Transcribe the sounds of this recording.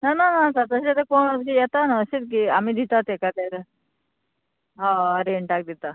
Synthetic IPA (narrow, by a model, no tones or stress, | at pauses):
nananasat̪əɕet̪ekoɳt̪kijɛt̪anəəset̪̚k̬iamiːd̪ʱit̪at̪ekat̪at̪a | ɦaəɾeɳʈak̚d̪it̪a